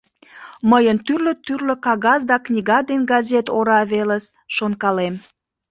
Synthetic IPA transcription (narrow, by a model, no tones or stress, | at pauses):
məjənt̪yrlət̪yrlø̆kɑɣɑzd̪ɑknʲiɣɑd̪enɡɑzʲet̪oɾɑβeləsʃonkɑlem